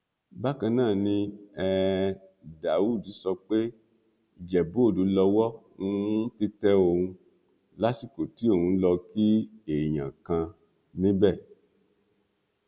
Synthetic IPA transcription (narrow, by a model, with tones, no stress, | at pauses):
ba˦kã˧nãː˦˨nĩ˧ɛ˧ | da˨wu˦˨di˨˦sɔ˧k͡pe˦ | i˦˨d͡ʒɛ˨bo˨˦o˦˨du˨˧˦lɔ˧wɔ˦ | ũ˦˧˦ti˦tɛ˦o˧ũ˧ | la˦si˦˨ko˨ti˨˦o˦˨ũ˧˦lɔ˧ki˦e˨j̃ã̰˨kã˧ | nĩ˦bɛ˦˨